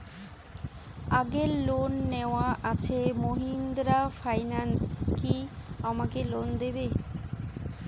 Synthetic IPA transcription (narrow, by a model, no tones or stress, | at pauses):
aɡeɾlonːeoaʔat͡ɕʰemoɦind̪ɾafajnanskiamakelond̪ebe